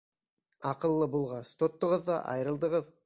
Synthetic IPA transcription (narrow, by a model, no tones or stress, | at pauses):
ɑqɤ̆lˠːɤbulˠʁɑst̪ot̪ːŏʁɤðːɑ̰ʔɑ̰jɾɤ̆lˠd̪ɤʁɤð